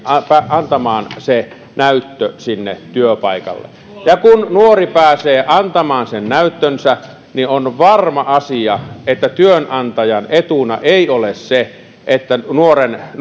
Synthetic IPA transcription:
pæɑnt̪ɑmɑːnse | næyt̪ːøsinːet̪yøpɑˑikɑ̰lːḛ | jɑkunnuoripæːseːʔɑnt̪ɑmɑːnsennæyt̪ːønsæ | nionʋɑrmɑʔɑsiɑet̪ːæt̪yønʔɑnt̪ɑjɑnet̪unɑ̰ʔeˑiolesse | ʔet̪ːænuoren

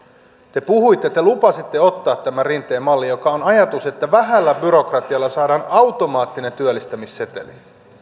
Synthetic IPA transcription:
t̪e̞puhuit̪ːet̪e̞lupɑsit̪ːeo̞t̪ːɑːt̪ːæmærint̪ːˑeːmɑlːijo̞kɑonɑjɑt̪use̞t̪ːæʋæɦælːæbyɾo̞krɑt̪iɑlːɑsɑːdɑːnɑwt̪o̞mɑːt̪ːine̞nt̪yølːist̪æmisːe̞t̪e̞̰li

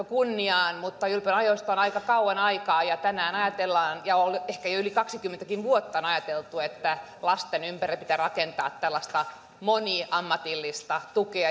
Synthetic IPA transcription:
okunːiɑːnmut̪ːɑylpønɑjoist̪onɑikɑkɑuɑnɑikɑːjɑt̪ænæːnɑjɑt̪elːɑːnjɑolehkæjoylikɑksikymːent̪ækinʋuot̪ːɑonɑjɑt̪elt̪uet̪ːæ | lɑst̪enympærepit̪ærɑkent̪ɑ̰ːt̪t̪ælːɑst̪ɑ | moniʔɑmːɑt̪ilːist̪ɑt̪ukeɑ

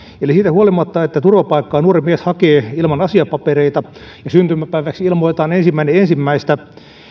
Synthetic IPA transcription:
elisiːt̪æhuolimɑt̪ːɑet̪ːæt̪urʋɑpɑikːɑːnuːrimieshɑkeːilmɑnɑsiɑpɑpereit̪ɑ | jɑsynt̪ymːæpæiʋæksilmoit̪ɑːnensimːæineensimːæist̪æ

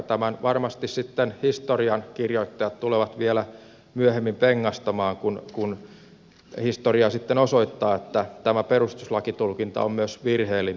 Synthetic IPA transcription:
t̪æmænʋɑrmɑst̪issit̪ːenhist̪oriɑnkirjoit̪ːɑjɑt̪t̪uleʋɑt̪ʋielæ | myøhemːimpeŋːɑst̪ɑmɑːŋkunkun | hist̪oriɑsit̪ːenosoit̪ːɑːet̪ːæt̪æmæperust̪uslɑkit̪ulkint̪ɑ̰ommyøsʋirheːlːi

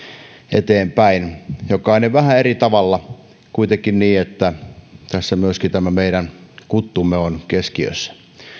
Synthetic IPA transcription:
ḛt̪eːmpæinjokɑineʋæhæerit̪ɑʋɑlːɑ | kuit̪ekːinniːet̪ːæt̪æsːæmyøskit̪æmæmeiɾænkut̪ːumːeonkeskiø̰sːæ̥

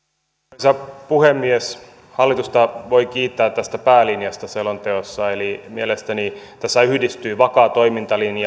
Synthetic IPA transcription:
osɑpuhemːies | hɑlːit̪ust̪ɑʋoikiːt̪ːæːt̪t̪ːæst̪æpæːlinjɑst̪ɑselont̪eosːɑelimielest̪ænit̪æsːæyhdist̪yːʋɑkɑːt̪oimint̪ɑlinjɑ

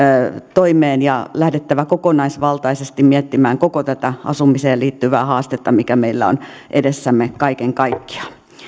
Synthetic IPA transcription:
t̪oimeːnjɑlæhdet̪ːæʋækokonɑisʋɑlt̪ɑisest̪immiɛt̪ːimæːŋkokot̪æt̪æʔɑ̰sumiseːliːt̪ːyʋæːhɑːst̪et̪ːɑmikæmeilːæ̰o̰n | ʔedesːæmːekɑikeŋkɑikːi̥ɑ̥

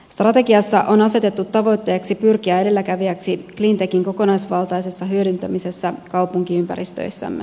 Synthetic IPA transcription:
st̪rɑt̪e̞ɡiɑsːɑʔo̞nɑse̞t̪e̞t̪ːut̪ːɑʋo̞jt̪ːe̞ːksipyrkiæe̞de̞lːækæʋiæksiklint̪e̞kiŋko̞ko̞nɑjsʋɑlˠt̪ɑjse̞sːɑɦyø̞dynt̪æmise̞sːækɑwpuŋk̟iympæ̰ɾist̪ø̰jsːæ̰mːe

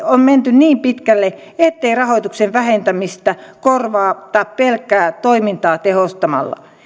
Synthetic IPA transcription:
omment̪ynniːmpit̪kælːe | et̪ːeirɑhoit̪ukseʋʋæhent̪æmist̪ækorʋɑːt̪ɑppelkːˑæːt̪oimint̪ɑːt̪ehost̪ɑmɑ̰lːɑ̰

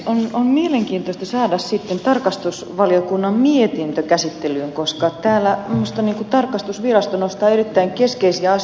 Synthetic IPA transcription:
onommieleŋkiːnt̪ost̪ɑsɑːdɑssit̪ːent̪ɑrkɑst̪usʋɑljokunːɑmmiet̪int̪økæsit̪ːelyːŋkoskɑt̪æːlːˑæmːost̪ɑniːŋkut̪ɑrkˑɑst̪usʋirɑst̪onost̪ɑːerit̪ːæiŋkeskeisiæɑ

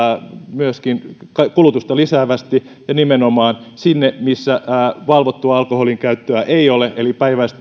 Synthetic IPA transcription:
myøskinkɑkulut̪ust̪ɑlisæːʋæst̪i | jɑnimenomɑːnsinːemisːæːʋɑlʋot̪ːuɑɑlkoholiŋkæyt̪ːøæʔeioleʔelipæiʋæist̪

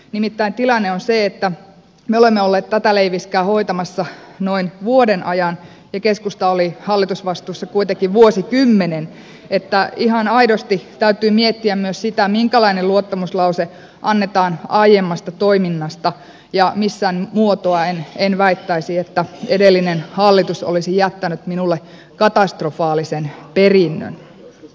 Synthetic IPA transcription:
nimit̪ːæint̪ilɑnːeonseet̪ːæ | meolemːeolːeːt̪t̪æt̪æleiʋiskæːhoit̪ɑmɑsːɑnoinʋuodenʔɑjɑn | jɑkeskust̪ɑolihɑlːit̪usʋɑst̪uːsːɑkuit̪ekiʋuosikymːenen | et̪ːæihɑnɑidost̪it̪æyt̪yːmiet̪ːiæmmyøssit̪æmiŋkælɑineluot̪ːɑmuslɑuse | ʔɑnːet̪ɑːnɑijemːɑst̪ɑt̪oiminːɑst̪ɑ | jɑmisːænmuot̪oɑenenʋæit̪ːæisiet̪ːæedelːinenhɑlːit̪uso̰lisijæt̪ːænyt̪minulːe | kɑt̪ɑst̪rofɑːlisenperinːø̰n

